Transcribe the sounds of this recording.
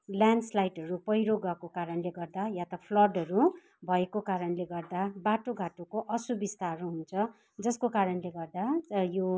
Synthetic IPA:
ljanɖslajʈɦʌɾupʌjɾoɡʌkokaɾʌnleɡʌrd̪ajat̪ʌpʰlʌrɖɦʌɾu | bʱʌekokaɾʌnleɡʌrd̪abaʈoɡʱaʈokoʔʌsubist̪aɾuɦunt͡sʰʌ | d͡zʌskokaɾʌnleɡʌrd̪atʌjo

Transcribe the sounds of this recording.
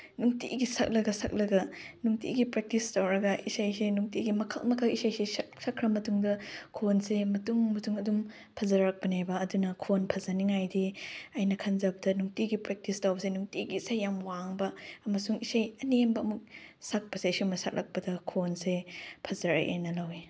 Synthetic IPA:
nuŋtḭɡisɐ̰k̚lɐɡɐsɐ̰k̚lɐɡɐ | nuŋtḭɡipɾek̚tistawɾɐɡɐʔisajsenuŋtiɡimɐkʰɐlmɐkʰɐisajsessɐkʰɾɐmɐtuŋdɐkʰonsemɐtuŋmɐtuŋɐdum | pʰɐzɐɾɐk̚pɐnebɐːdunɐkʰonpʰɐzɐniŋajdiɐjnɐkʰɐnzɐbɐdɐnuŋtiɡipɾek̚tistawbɐsenuŋtiɡiisajːamwaŋbɐɐmɐsuŋisajɐnembɐːmuk̚sak̚pɐseisimɐsɐ̰k̚lʔɐ̰k̚pɐdɐkʰonsepʰɐzɐɾɐ̰ʔḛnɐlawe

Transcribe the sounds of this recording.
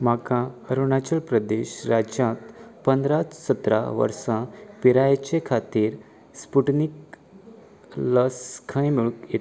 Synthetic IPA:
makãəɾuɳat͡ɕəlpɾəd̪eɕɾad͡ʑjãt̪pə̃nd̪ɾat͡ssət̪ɾa̰ʋə̰ɾsãpiɾajt͡ɕekʰat̪iːɾ | spuʈnik | ləskʰə̃jmuɭket̪

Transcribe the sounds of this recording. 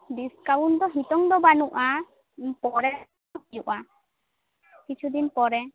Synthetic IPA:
d̪iskawund̪ɔɦit̪ɔŋd̪ɔbanuʔa | pɔɾɛ | pijuʔa | kit͡ʃʰud̪inpɔɾɛ

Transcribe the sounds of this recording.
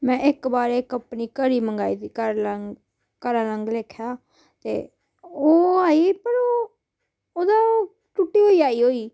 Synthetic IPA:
mɛ̃ːʔɪkbaːɾekəpniːkəɾiːməŋɡaːiːt̪iːkəɾləŋ | kəɾãːləŋɡleːkʰjaː | t̪ḛː | oːaːiːpəɾoː | oːd̪aːoː | ʈʊʈːiːɦoːiːaːiːɦoːiː

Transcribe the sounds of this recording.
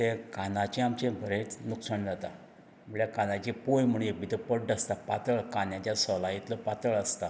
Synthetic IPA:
t̪ekanãt͡ɕẽamt͡ɕẽbʱəɾet͡snuksaɳd͡zat̪a | məɭjakanãt͡ɕepojm̤əɽ̃jebʱit̪əpəʈɖəst̪apat̪əɭkanjat͡ɕjasɔlajit̪ləpat̪əɭəst̪a

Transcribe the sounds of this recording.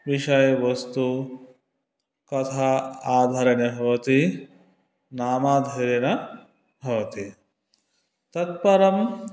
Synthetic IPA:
ʋiʃɐjɐʋɐst̪u | kɐt̪ʰaaːd̪ʱaɾɐnjɐbʱɐʋɐt̪i | naːmaːd̪ʱɐɾɐnɐ | bʱɐʋɐt̪i | t̪ɐt̪̚pɐɾɐm

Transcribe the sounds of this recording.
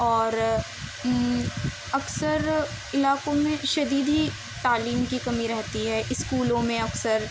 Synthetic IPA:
ɔːɾ | ɐksəɾ | ɪlaːkõmẽʃɐd̪iːd̪ɦi | t̪aːliːmkikɐmiɾɛɦt̪iɦɛʔɪskuːlõmẽɐksəɾ

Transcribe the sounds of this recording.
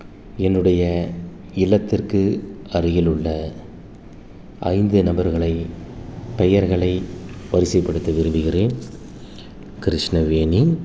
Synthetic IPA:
ɛnːɯɽɐjɐ | ɪlːɐt̪ːɪrkɯ | ɐrɯjɪlɯɭːɐ | ʔɐ̰ɪnd̪ɯnɐmbɐɾɣɐɭɐɪ | pɛjɐɾɣɐɭɐɪpɐɾɪsɐɪpːɐɽɯt̪ːɐʋɪɾɯmbɯɣɪreːn | kɪɾɪʂnɐʋeːni

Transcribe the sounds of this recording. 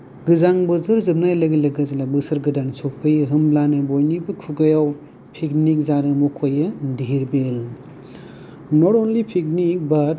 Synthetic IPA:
ɡɯzaŋbɯzɯɾzɯb̚najlɐɡilɐɡɐzilabɯsɐɾɡɯdansʰok̚pʰɯjɯɦɯmblanɯbojnibɯkʰuɡɐjaw | pʰiknik̚zaɾɯmukʰojɯdiɾbel | nɔɾɔnlipʰik̚nik̚bat̚

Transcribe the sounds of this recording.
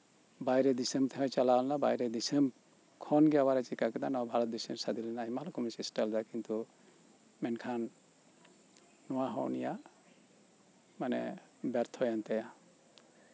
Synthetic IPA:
bajɾɛd̪isemt̪ʰɛɛ̃t͡ʃalawlnaba̰jɾɛd̪isem | kʰɔnɡɛawaɾɛt͡ʃikakɛd̪anɔwbʱaɾɔt̪̚d̪isensad̪ilɛnaimalɔkʰɔmɛsisʈald̪akint̪u | mɛnkʰan | ɔwaɦɔ̰wnija | manɛ̰bɛɾt̪ʰɔjant̪aja

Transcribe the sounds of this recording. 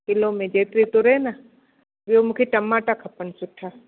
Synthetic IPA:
kɪlõmẽd͡ʒeːt̪ɾit̪ʊɾena | bjomũkʰeʈɐmaːʈakʰɐpənsʊʈʰaː

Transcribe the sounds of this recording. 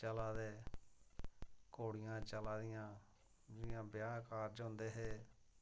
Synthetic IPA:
t͡ʃəlaːd̪eː | koːɽɪjãːt͡ʃəlaːd̪ɪjãː | d͡ʒɪɪjãːbjaːkaːɾd͡ʒɦʊ̃nd̪eːɦeː

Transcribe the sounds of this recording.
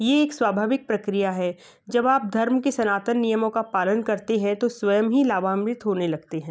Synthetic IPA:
jeːksʋaːbʱaːʋɪk̚pɾɐkɾijaɦɛː | d͡ʒɐbaːp̚d̪ʱɐɾmkesɐnaːt̪ənːijəmõkapaːlənkɐɾt̪eɦɛ̃t̪osʋɐjəmɦilaːʋaːmɾɪt̪ɦoːnelɐɡ̚t̪eɦɛ̃ː

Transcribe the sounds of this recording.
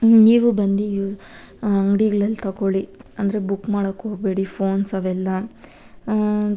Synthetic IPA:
niːʋubɐnd̪iu | ɐŋɡɽiɡɐɭɐlːt̪ɐkoɭiɐnd̪ɐɾebukːmaːɽɐkːɦoːɡbe̞ːɽipʰoːnsɐʋɛlːɐ

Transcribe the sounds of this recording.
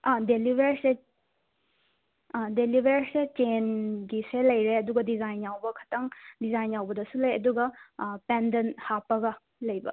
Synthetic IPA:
ɐdelibeɾse | delibʱeɾset͡ʃenɡiselɐjɾeɐduɡɐdizajnjawbɐkʰɐ̥tɐŋdizajnjawbɐdɐsulɐjɐduɡɐpendɐnhapɐɡɐ | lɐjbɐ̰

